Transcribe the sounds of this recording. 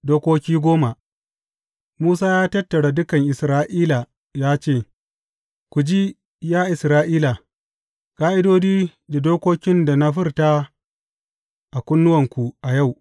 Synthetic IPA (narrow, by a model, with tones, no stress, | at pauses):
doː˦kʷoː˦kʲiː˦ɡʷoː˦ma˨ | muː˦saː˦jaː˦tɐ˦tːɐ˨ɽa˨dʊ˦kɐ˨ŋʔɪ˨sɾaː˦ʔiː˦la˨ | jaː˦t͡ʃeː˦˨ | kʷu˨d͡ʒi˦ | jaː˦ʔɪ˨sɾaː˦ʔiː˦la˨ | kʼaː˦ʔɪ˦doː˦d͡ʒiː˦da˨doː˦kʷoː˦kʲɪ˦nda˨na˦ɸɪ˦rta˦ | ʔa˨kʷʼʊ˦nːʊ˦wɐ˨ŋkʷu˨ʔa˨ja˦˨w